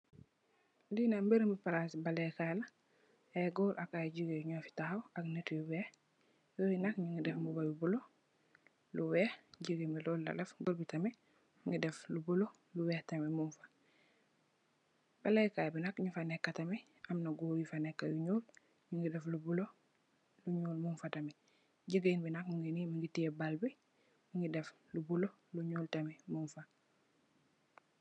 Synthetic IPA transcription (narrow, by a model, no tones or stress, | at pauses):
linambəɾmbipalasibalɛkalɐ | eɡɔːɾʔakajɟiɡejuɲɔːfi̥taxawɐknetjuwɛːx | jojinakɲuŋɡidɛfmbubajubulo | luwɛːxɟiɡemilɔːlːa̰lɛfɡoɾbitɐmɛ | ŋɡidɛflubulo | luwɛːxtɐmemumfḁ | bɐlɐjkaːbinakɲufanɛkːatɐmɛ | ʔɐmnaɡojifanɛkːajuɲuːl | ɲuŋɡidɛflubulo | luɲuːlmumfatɐmi | ɟiɡenbinak̚muŋɡinimiŋɡitijebalbi | muŋɡidɛf | lubulo | luɲuːltɐmimumfa